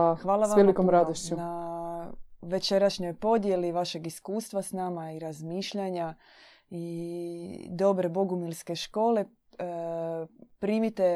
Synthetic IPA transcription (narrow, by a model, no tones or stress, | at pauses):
aʋaːlˠaʋaʋelikomɾad̪oʃt͡ɕuna | ʋe̞t͡ʃe̞ɾaʃɲo̞jpo̞d̪je̞liʋaʃe̞ɡiskuːst̪ʋasnamaiɾazmiːʃʎaɲa | i | d̪o̞bɾe̞bo̞ɡumilˠske̞ʃko̞ːle̞ | pɾiːmit̪e